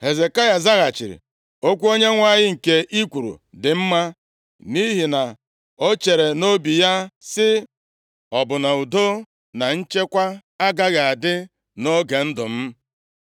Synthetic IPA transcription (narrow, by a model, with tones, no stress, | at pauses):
he˨ze˨ka˦ja˨za˦ɣa˨t͡ʃḭ˨ɾḭ˨ | o˦kʷu˦o˦ɲe˦ŋʷa˦ɲɪ˦ŋ̩˨ke˦ʔi˦kʷu˨ɾṵ˨dɪ˨m̩˦ma˦ | ni˦ɦi˨na˨ | o˦t͡ʃe˨ɾe˨no˦bi˨ja˦sɪ˦ | ɔ˨bʊ˨na˨u˨do˦ | na˨n̩˦t͡ʃe˦kʷa˦a˦ɡa˦ɣa˨a˨dɪ˦ | no˦ɡe˨n̩˦dʊ˨m̩˦